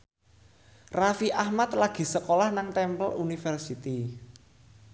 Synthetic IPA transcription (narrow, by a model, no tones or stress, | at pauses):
rafiʔahmat̪̚laɡ̥i̤səkolahnaŋt̪ɛmpəlʔunifɛrsit̪i